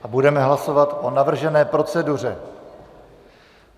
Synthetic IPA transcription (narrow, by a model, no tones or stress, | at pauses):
ʔabudɛmɛɦlaso̞vat̪ʔo̞navr̩ʒɛnɛːpɾo̞t͡sɛdur̝ɛ